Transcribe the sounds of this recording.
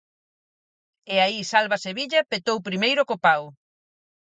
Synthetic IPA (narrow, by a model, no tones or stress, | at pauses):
eaisalβaseβiʎɐpet̪owpɾimejɾʊkopaw